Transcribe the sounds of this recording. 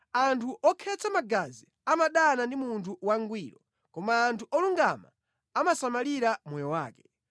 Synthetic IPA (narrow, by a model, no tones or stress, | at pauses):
antʰuʔɔkʰɛt͡samaɡazi | amaɗanandimuntʰuwaŋɡwiːɾɔ | kɔmaːntʰuʔɔluŋɡama̰ | amasamaliɾamɔjɔwa̰ːkɛ̥